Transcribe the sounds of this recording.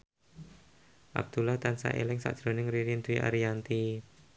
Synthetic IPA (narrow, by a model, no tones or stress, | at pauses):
ʔa̰b̚d̪̥ulaht̪ansa̰ʔḛlɪŋsa̰ʔd̥ʒ̥ɾo̤nɪŋɾiɾint̪uiʔa̰ɾijant̪i